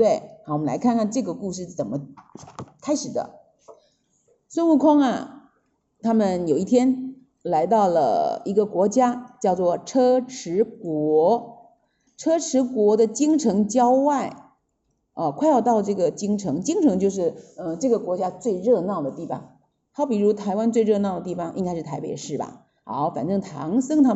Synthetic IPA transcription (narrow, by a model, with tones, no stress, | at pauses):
t̪we˥˩ɪ˧˩wɔ˨˩mə˦la̰˧˥ɪkʰa˥˧nkʰa˥˧nʈ͡ʂɤ˥˩ɡə˩ku˥˧ʂɻ̩˥˩t͡sə˨˩nmə˦ | kʰa˥ɪʂɻ̩˨˩d̪ə̰˦ | swə˥˧nu˥˩kʰʊ˥ŋɐ̰˨ | t̪ʰa˥mə˨njo˨˩ʊi˥˩t̪ʰjɛ˥n | la˧˥ɪt̪ɑ˥˩ʊlə̰˩i˧˥ɡə˧kwɔ˧˥t͡ɕja˥t͡ɕjɑ˥˧ʊt͡swɔ˥˩ʈ͡ʂʰɤ˥ʈ͡ʂʰɻ̩˧˥kwɔ˧˥ | ʈ͡ʂʰɤ˥ʈ͡ʂʰɻ̩˧˥kwɔ˧˥d̪ə˧t͡ɕi˥ŋʈ͡ʂʰɤ˧˥ŋt͡ɕjɑ˥ʊwa˥˩ɪ | ə˧kʰwa˥˧ɪjɑ˥˧ʊt̪ɑ˥˧ʊʈ͡ʂɤ˥˩ɡə˩t͡ɕi˥ŋʈ͡ʂʰɤ˧˥ŋt͡ɕi˥ŋʈ͡ʂʰɤ˧˥ŋt͡ɕjo˥˧ʊʂ̬ɻ̩˥˩ə˧ʈ͡ʂɤ˥˩ɡə˩kwɔ˧˥t͡ɕja˥t͡swe˥˧ɪɻɤ˥˧nɑ˥˩ʊd̪ə˩t̪i˥˩fɑ̰˨˩ŋ | xa˧˥ʊpi˨˩ɻu˧˥t̪ʰa˧˥ɪwa˥nt͡swe˥˧ɪɻɤ˥˧nɑ˥˩ʊd̪ə˩t̪i˥˩fɑ˨˩ŋʔḭ˥ŋka˥ɪʂɻ̩˥˩t̪ʰa˧˥ɪpe˨˩ɪʂɻ̩˥˩bɐ̰˨˩ | xa̰˧˥fa˨˩nʈ͡ʂɤ˥˩ŋt̪ʰɑ̰˧˥ŋsɤ˥˩ŋt̪ʰa˥